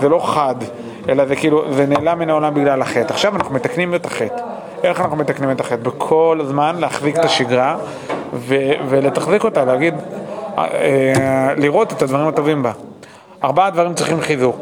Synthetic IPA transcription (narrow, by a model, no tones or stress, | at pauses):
zelo̞χad̪ | ʔe̞lazekiːluzeneːlamːinaolambiɡlalaχe̞t̪aχʃavanaχnume̞t̪aknimet̪aχet̪ | ʔe̞χanaχnume̞t̪aknimet̪aχe̞t̪bekʰo̞lzmanleaχziket̪aʃiɡʁa | vevele̞t̪aχziko̞talehaɡid̪̰ | eliʁo̞t̪et̪ad̪vaʁimat̪o̞vimba | aʁbaad̪vaʁimt͡sʁiχimχizuʁ